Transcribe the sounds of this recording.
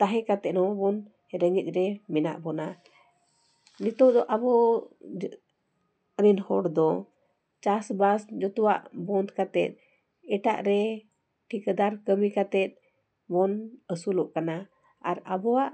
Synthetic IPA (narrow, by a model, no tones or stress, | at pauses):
t̪aɦɛkat̪ɛʔnɔbɔn | ɾəŋəc̪̚ˀɾɛmɛna̰ʔbɔna | nit̪ɔd̪ɔʔabɔ | ɾinhɔɽd̪ɔ | t͡ʃasbasd͡ʒɔt̪ɔwa̰ʔbɔnd̪kat̪ɛt̪̚ | ɛʈa̰ʔɾɛ | ʈʰikəd̪aɾkəmikat̪ɛt̪̚ˀ | bɔnəsulɔʔkana | aɾabɔaʔ